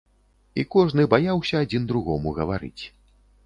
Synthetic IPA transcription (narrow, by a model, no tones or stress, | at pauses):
ḭkɔʐnɨbajawsʲɐːd͡zʲind̪ɾuɣɔmuɣɐvaɾɨ̰t͡sʲ